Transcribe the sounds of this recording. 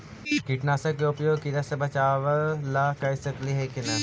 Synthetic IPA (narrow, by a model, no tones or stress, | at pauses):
kiʈnaːsɐkːeʊpjoːɡkiɾɐsebɐt͡ʃaːʋəlakɐsɐkliɦekɪnɐ